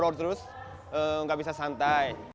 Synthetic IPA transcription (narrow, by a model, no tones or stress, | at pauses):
ɾɔɾt̪ɾus | ŋɡabisasant̪aj